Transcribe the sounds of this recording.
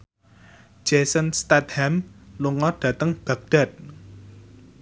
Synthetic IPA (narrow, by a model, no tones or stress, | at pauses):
d͡ʒ̥ɛsənst̪at̪hɛmluŋɔɖ̥ä̤t̪əŋb̥ä̤ɡ̚d̥a̤t̪̚